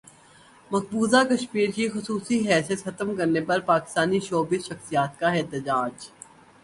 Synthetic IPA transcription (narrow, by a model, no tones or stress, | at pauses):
mɐk̚buːzakɐʃmiːɾkixʊsuːsiɦɛːsijət̪xɐt̪əmkɐɾnepɐɾpaːkɪ̥st̪aːniʃoːbɪʃɐxsijaːt̪̚kaɛːt̪əd͡ʒaːd͡ʒ